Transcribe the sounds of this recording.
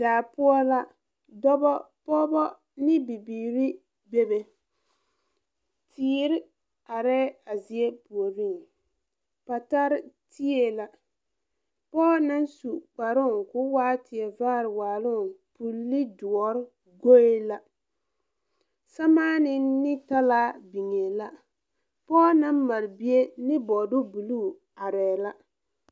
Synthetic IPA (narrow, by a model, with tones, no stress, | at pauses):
daː˨pʊ˦ɔ˦la˦ | dɔ˦bɔ˦pɔ˦bɔ˦ | nɪ˦bi˨biː˨ɾɪ˦ | be˦be˨ | tʰiː˦ɾɪ˦ | a˨ɾɛ˦a˨zi˨e˦pu˨o˨ɾi˦˨ŋ | pa˨ta˦ɾɪ˦tʰi˦e˦la˨ | pɔː˦na˦nsu˨k͡pa˨ɾʊ˦˨kʊ˦waː˦tɪ˨ɛ˨vaː˦ɾɪ˨waː˨lʊ˦ŋ˨pu˨lːɪ˦dʊ˨ɔ˨ɾɪ˦ | ɡo˦e˦la˦ | sa˦maː˦nɪ˦nɪ˦ta˦la˦bi˨ŋe˨la˦ | pɔː˦na˦mmːa˨ɾbi˦e˦nɪ˦bɔ˨dʊ˦bu˨luː˦˨ | a˨ɾɛː˨la˦